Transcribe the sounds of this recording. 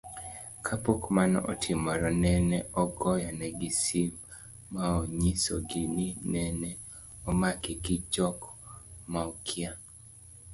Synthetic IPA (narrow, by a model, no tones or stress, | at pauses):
kʰapokmanɔɔ̰tʰɪmɔɾɔnɛnɛɔɡɔjanɛɡɪsimː | aoɲisɔɡɪninɛnɛ | ɔmakiɡɪd͡ʒɔkmaɔkʰɪa